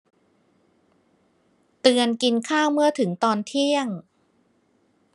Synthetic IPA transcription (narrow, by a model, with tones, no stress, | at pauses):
t̪ɯ˧ənki˧nkʰaː˥˩wmɯ˥˩ɐt̪ʰɯ˩˦ŋt̪ɔː˧nt̪ʰi˥˩əŋ